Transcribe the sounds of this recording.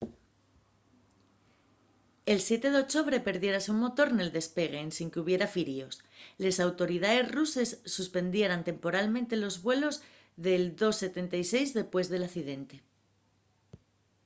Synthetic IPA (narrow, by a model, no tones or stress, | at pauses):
e̞lsje̞t̪e̞ðeo̞t͡ʃo̞βɾe̞pe̞ɾðje̞ɾasumo̞t̪o̞ɾne̞ld̪e̞spe̞ɣ̞e̞ːnsiŋkeuβ̞je̞ɾafiɾio̞slesawt̪o̞ɾiðae̞zruse̞sːuspe̞nd̪je̞ɾant̪e̞mpo̞ɾalmẽnt̪e̞lo̞zβwe̞lo̞z | ðe̞ld̪o̞sːe̞t̪e̞nt̪ajse̞jzðe̞pwe̞zð̞e̞laθiðe̞nt̪e̞